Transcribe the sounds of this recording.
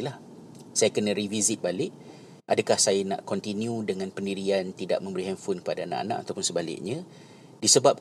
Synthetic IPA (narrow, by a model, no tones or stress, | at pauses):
lah | sajakənaə̃ɾivizɪt̪̚balɪʔ | ʔadakahsajanã̰ʔkɔnt̪injudəŋãnpəndiɾiant̪ida̰ʔmə̃mbəɾiɦɛnfʊnkə̥padaːna̰ʔa̰na̰ʔat̪awpʊnsəbalɪ̰ʔ̚ɲã | disəbap̚